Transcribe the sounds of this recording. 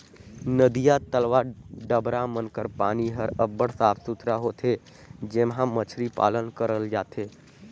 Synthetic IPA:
nəd̪ijat̪əlʋaɖəbɾamənkəɾpaːniɦəɾəbːəɽsaːpʰsut̪ʰɾaɦot̪ʰɦe | d͡ʒemɦãmət͡ʃʰɾipa̰ːlənkəɾəld͡ʒaːt̪ʰeː

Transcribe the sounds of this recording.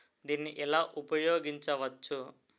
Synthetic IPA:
d̪iːnːiʔɛlaːʔupɐjoːɡiɲt͡ʃɐʋɐt͡ʃːu

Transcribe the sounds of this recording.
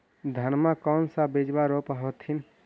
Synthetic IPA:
d̪ʱənmakɔnsãbed͡ʒbaɾopəɦot̪ʰin

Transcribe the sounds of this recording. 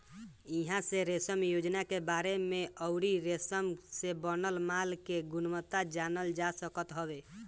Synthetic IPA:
iɦãseɾesəmjod͡ʒnakebaɾemeəʊɾiɾesəmsebənəlmalkeɡunmət̪ad͡ʒanəld͡ʒasəkət̪ɦəbe

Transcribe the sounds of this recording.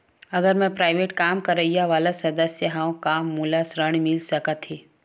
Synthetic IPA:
ɐɡəɾmɛ̃pɾaːɪʋeːʈkaːmkɐɾəijaʋaːlasɐd̪əsjəɦãkaːmːulasɾəɳ̃mɪlsɐkat̪ɦiː

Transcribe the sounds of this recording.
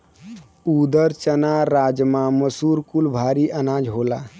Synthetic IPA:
ud̪əɾt͡ʃənaɾad͡ʒmãməsuɾkulbʱaɾiʔənad͡ʒɦola

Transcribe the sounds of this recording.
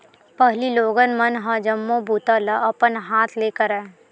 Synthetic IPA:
pɛɦliloːɡənmɐnɦãd͡ʒəmːõbʱuːt̪alaʔɐpənɦaːt̪ʰleːkəɾɛ

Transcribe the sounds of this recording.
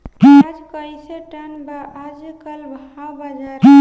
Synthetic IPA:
d͡ʒkəjseʈənbaʔad͡ʒekəlbʱ | awbad͡ʒa

